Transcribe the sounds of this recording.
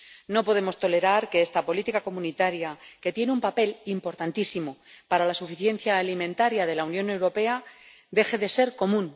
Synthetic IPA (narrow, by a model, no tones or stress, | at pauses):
no̞po̞ðe̞mo̞st̪o̞le̞ɾaɾke̞est̪apo̞lit̪ikako̞mũnit̪aɾjake̞t̪je̞neumpape̞limpo̞ɾt̪ant̪isimo̞paɾalasufiθje̞n̟θjaːlimẽ̞nt̪aɾjaðe̞launjone̞wɾo̞pe̞a | d̪e̞xe̞ðe̞se̞ɾko̞mũn